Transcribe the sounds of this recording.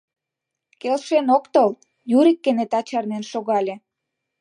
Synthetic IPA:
kelʃenokt̪ol | juɾikːenet̪ɑt͡ɕɑrnenʃoɣɑlʲe

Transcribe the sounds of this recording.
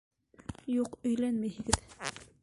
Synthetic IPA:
juqɵ̆jlænmæjhɘ̆ɡɘð

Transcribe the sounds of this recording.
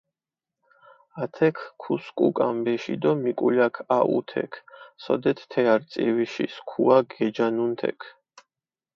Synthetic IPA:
at̪ʰɛkʰkʰːuskʼukʼambɛʃid̪ɔmikʼuʎakʰaʔṵt̪ʰɛ̰kʰsɔ̰d̪ɛt̪ʰt̪ʰɛaɾt̪sʼḭwiʃiskʰuaɡɛd͡ʒanunt̪ʰɛ̰kʰ

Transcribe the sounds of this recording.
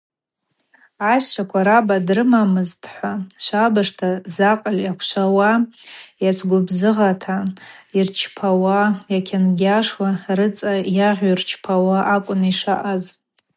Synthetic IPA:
aʃt͡ʃʰakʷʰaɾabadrɨmamɨztʼħʷaʃʷabaʂtʰazaqʼaljakʷʰʃʷawajat͡ʃʷʰɡʷʊbzɨʁatʰairt͡ʃʰpʰawajakʲʰanɡʲaʂwarɨt͡sʼajaʁʲairt͡ʃʰpʰawaʔakʷʼʊniʂa̰ʔaz

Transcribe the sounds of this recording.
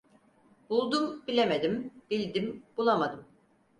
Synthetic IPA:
bulˠd̪umbilʲemed̪imbilʲd̪imb̥ulˠamad̪ɯm

